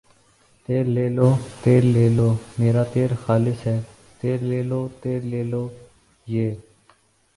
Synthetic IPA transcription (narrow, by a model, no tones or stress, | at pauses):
t̪eːɾleːloːt̪eːɾleːloːmeːɾaːt̪eːɾxaːlɪsɦɛː | t̪eːɾleːloːt̪eːɾleːloː | jeː